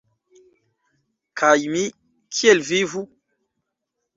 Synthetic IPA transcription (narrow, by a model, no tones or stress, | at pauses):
kʰajmi | kʰielvivu